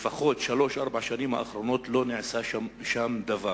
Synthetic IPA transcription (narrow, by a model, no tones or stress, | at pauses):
faχo̞tʃalo̞ʃʔaʁbaʕʃanimha̰ːχɾo̞no̞t̪lo̞niʕsaaʃamd̪ava